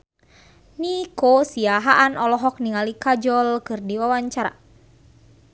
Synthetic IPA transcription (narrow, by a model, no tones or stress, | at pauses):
nikosiaɦaʔanɔlɔɦɔk̚niŋalikad͡ʒɔlkɨrdiwawaɲt͡ʃaɾa̰